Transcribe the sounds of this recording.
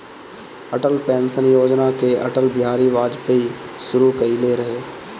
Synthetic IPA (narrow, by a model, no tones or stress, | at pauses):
əʈəlpɛ̃ːnsənjoːd͡ʒnakeɐʈəlbɪɦaːɾiʋaːd͡ʒpeiʃʊɾukɐileɾɐɦeː